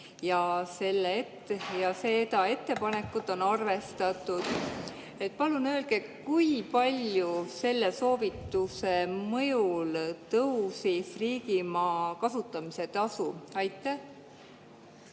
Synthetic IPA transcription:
jɑse̞lːeet̪ːejɑse̞t̪ɑe̞t̪ːe̞pɑne̞kːˑut̪ːˑo̞nɑrve̞st̪ɑt̪ˑːud̪̥ | e̞t̪̚ːpɑlunøːlɡ̥e̞kujpɑlʲjuse̞lːe̞so̞ːvit̪ːuse̞mɤ̞jult̪ɤwsisriːɡimɑːkɑsut̪ːˑɑmise̞t̪ɑsuɑjt̪ːˑæh

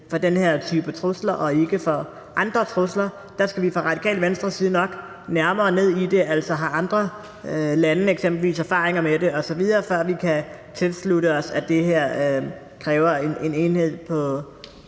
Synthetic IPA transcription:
fɒ̽d̥enheɐ̰t͡sʰyb̥ət͡sʰʁoslɐʔɒ̽e̝ɡ̥əfɒ | ʔɑ̈nd̥ʁɐt͡sʰʁoslɐ | d̥ɑ̈sɡ̥æʋifʁɑ̈ʁɑ̈d̥ikʰɛ̰ːl̥ʋensd̥ʁɐsiːð̞̩ˠnɒ̽ɡ̥ | næɐmɐːne̝ð̰ˠid̥e̝ʔæl̰sɒɦɑ̈ʔɑ̈nd̥ʁɐ | lænəeɡ̥sem̰b̥l̩ʋḭːsæɐfɑ̈ːʁeŋɐmede̝ɒ̽sɒ̽ʋið̞ˠɐːfɶɐ̰ʋikʰæt͡sʰe̝lsluɾəɒ̽sæd̥e̝ɦeɐ̰ | kʰʁɛːʊɐee̝ne̝ːnhe̝ð̞̰ˠpʰɒ̽

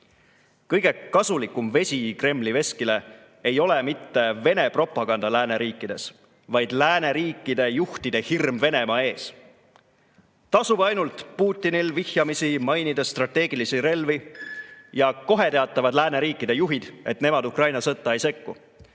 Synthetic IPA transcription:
kɤjɡ̥e̞kɑsulikːˑumve̞sʲikre̞mːlive̞skile̞ | ejo̞le̞mit̪ːe̞ve̞ne̞pro̞pˑːɑɡ̥ɑnd̪̥ɑlæːne̞ɾiːkːˑid̪̥e̞s | vɑjd̪̥læːne̞ɾiːkːˑid̪̥e̞juht̪id̪̥e̞hirmve̞ne̞mɑe̞ːs | t̪ɑsubɑjnult̪puːt̪ʲːˑinilvihjɑmisimɑjnid̪̥ɑst̪rɑt̪ːe̞ːɡ̥ilisiɾe̞lvi | jɑko̞ɦe̞t̪e̞ɑt̪ːˑɑvɑd̪læːne̞ɾiːkːˑid̪e̞juɦid̪̥e̞t̪ne̞mɑd̪ukrɑjnɑsɤt̪ˑːɑejse̞kːu

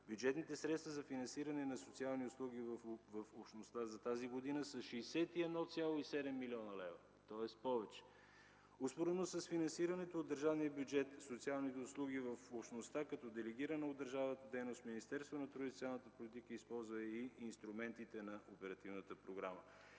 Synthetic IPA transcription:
bjud͡ʒɛt̪nit̪ɛsɾɛt̪st̪vəzɐfinɐnsiɾɐnɛnɐsot̪sialˠniʊslˠuɡ̟ivvɐfopʃt̪nost̪azɐt̪aziɡod̪inəsəʃɛsɛt̪iɛd̪nɔt̪sʲjalˠoisɛd̪ɛmːilʲiɔnəlɛvɐ | t̪ɔɛspɔvɛt͡ʃɛ̥ | ospoɾɛnosəsfinɐnsiɾɐnɛt̪oːd̪ːəɾʒavnijəbʲjud͡ʒɛt̪sot̪sialˠnit̪ɛʊslˠuɡ̟ivɐfopʃt̪nost̪akɐt̪ɔd̪ɛlɛɡ̟iɾənɐod̪ːəɾʒavnət̪əd̪ɛjnost̪minist̪ɛɾst̪vonɐt̪ɾoit̪sialˠnət̪əpolit̪ikəispɔlˠzvɐɛiinst̪ɾumɛnt̪it̪ɛnɐʔopɛɾɐt̪ivnət̪əpɾoɡɾamə

